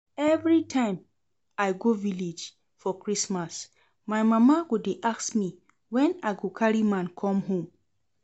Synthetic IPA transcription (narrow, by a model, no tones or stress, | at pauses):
ɛvɹitʰãɪ̃m | ajɡovilid͡ʒ | fɔkɹismas | majmamaɡudeʔaksmi | wɛ̃naɡokʰaɹimãnkʰɔ̃mɦõm